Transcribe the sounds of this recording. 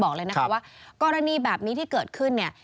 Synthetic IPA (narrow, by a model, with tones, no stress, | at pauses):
bɔː˨˩k̚lɤː˧jna˦˥a˦˥waː˥˩kɔː˧ɾa˧niː˧bɛː˨˩p̚niː˦˥t̪ʰiː˥˩kɤː˨˩t̪̚kʰɯ˥˩nːi˥˩ɐ